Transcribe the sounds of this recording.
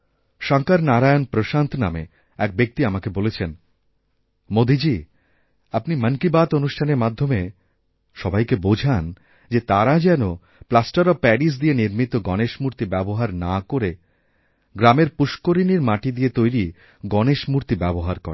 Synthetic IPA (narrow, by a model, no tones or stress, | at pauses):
ʃaŋkaɾnaɾajonpɾoʃant̪ʰnamḛ | ɛk̚bek̚t̪iamakebolet͡ɕʰen | mod̪ʱid͡ʑi | apnimənkibat̪onuʃʈʰaneɾmad̪ʱːome | ʃɔbajkebod͡ʑʱan | d͡ʑet̪aɾad͡ʑɛno | plasʈaɾɔpɛɖis̬d̪ieniɾmit̪oɡɔneʃmuɾt̪ibɛboɦaɾnakoɾe | ɡɾameɾpuʃkoɾiniɾmaʈid̪iet̪ojɾi | ɡɔneʃmuɾt̪ibɛboɦaɾkɔ̰ɾe